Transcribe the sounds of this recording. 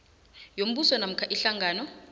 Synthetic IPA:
jom̩ɓusɔnam̩kʰaʔiɬaŋaːnɔ

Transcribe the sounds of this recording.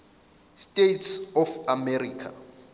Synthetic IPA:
stʼetsɔfamɛriːkʰa̰

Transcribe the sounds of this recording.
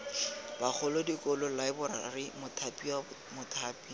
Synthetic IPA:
bak͡xʰɔlodikʼɔlʊlaɪbʊɾa̰rɪmʊtʰapʼiwamʊtʰaːpi

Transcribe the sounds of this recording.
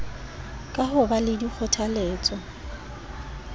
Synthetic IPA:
kʼaɦʊbalɪdik͡xʰʊtʰaleːt͡sʼɔ

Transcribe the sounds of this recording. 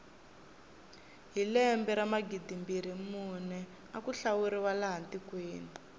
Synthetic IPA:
ɦilɛmbɛɾamaɡidimbiɾimunɛ | akuɬawuɾiwalaɦantikweːni

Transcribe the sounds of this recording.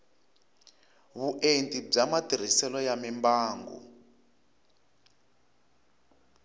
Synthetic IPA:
βuʔentʼib͡ʐamatir̤isɛlɔjamimbaːŋɡṵ

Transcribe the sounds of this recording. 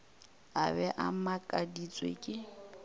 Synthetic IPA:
abɛʔamakʼadit͡sʼwḛkʼɪ

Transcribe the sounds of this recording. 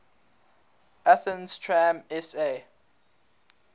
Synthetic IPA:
ʔaθə̃nstʰɹãmɛse

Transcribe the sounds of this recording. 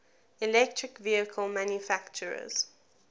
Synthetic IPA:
ilɛk̚tʰɹɪkviəkʰəlmãnjufakt͡ʃəɹə̰z̥

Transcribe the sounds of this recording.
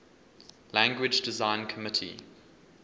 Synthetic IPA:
læ̃ŋɡwɪd͡ʒdɪzãɪ̃nkʰəmɪtʰḭ

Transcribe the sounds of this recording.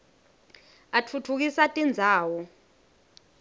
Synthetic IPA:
atʰutʰuk̬isatʼind͡zʱaːwɔ

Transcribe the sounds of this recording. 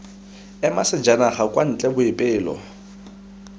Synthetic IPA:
ɛmasɪd͡ʒanaχakʼwan̩t͡ɬʼɛbʊɪpʼɪːlɔ̰

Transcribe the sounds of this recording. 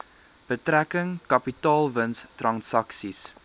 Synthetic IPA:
b̥ətrækəŋkɐpitɑːlˠvənstrɐnsɐksis

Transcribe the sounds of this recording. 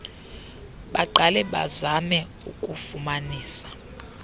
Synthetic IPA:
ɓaǃʱalɛɓa̰zamɛ | ukʼufumaniːsḁ

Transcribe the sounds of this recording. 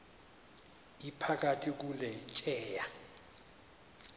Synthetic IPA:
ipʰak̬atʰik̬ulɛt͡ʃʼɛːja

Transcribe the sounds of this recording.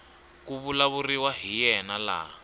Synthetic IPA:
kuβulaβuriwaɦijɛnala̰

